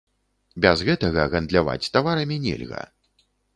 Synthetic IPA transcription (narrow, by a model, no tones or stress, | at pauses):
bʲɛzɣɛt̪ɐɣɐɣɐnd̪lʲava̰t͡sʲt̪avaɾɐmʲinʲɛ̰lʲɣɐ̰